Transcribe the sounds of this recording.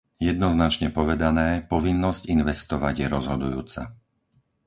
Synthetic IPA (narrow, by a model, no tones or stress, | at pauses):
jɛd̪nɔznat͡ʃɲɛpɔʋɛd̪anɛːpɔʋinːɔzcinʋɛst̪ɔʋaɟɪjɛɾɔzɦɔd̪ujṵːt͡sa̰